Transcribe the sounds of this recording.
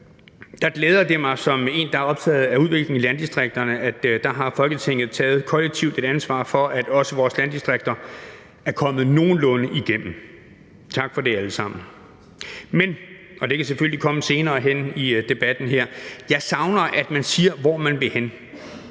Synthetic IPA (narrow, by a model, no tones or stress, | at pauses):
d̥ɑ̈ɡ̥leːð̞ˠɐd̥emɑ̈ɪsɒ̽me̝̰ːnd̥ɑ̈æɐɒ̽b̥̚t͡sʰɛ̰ːð̞̩ˠæuð̞ˠʋe̝ɡ̥le̝ŋilænd̥isd̥ʁeɡ̥̚d̥ɐnəʔæd̥d̥ɑ̈ɦɑ̈fɒ̽lɡ̥ət͡sʰe̝ŋ̰ð̞̩ˠt͡sʰɛ̰ːð̞̩ˠkʰɒ̽leɡ̥̚t͡sʰiʊ̰d̥e̝d̥ænsʋɑ̰̈ːfɒ̽ʔæd̥ɒ̽səʋɒːslænd̥isd̥ʁaɡ̥̚d̥ɐ | æɐkʰɒ̽mð̩ˠno̝ːn̩lɔ̽nəʔiɡ̥em̰m̩ | t͡sʰɑ̈ɡ̥fɒ̽d̥e̝æləsɑ̈m̰n̩ | men | ʔɒ̽d̥e̝kʰæs̬eføl̰likʰɒ̽məse̝ːnɐːɦenid̥e̝b̥æd̥n̩ɦeɐ̰jɑ̈ɪsɑ̈ʊnɐʔæd̥mænsiːɐʋɒːmænʋe̝hen